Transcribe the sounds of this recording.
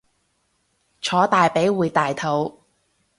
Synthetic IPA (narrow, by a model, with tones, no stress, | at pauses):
t͡ʃʰɔː˨˥t̪aː˨jpe˨˥jwuː˨˧jt̪aː˨jt̪ʰo˨˥w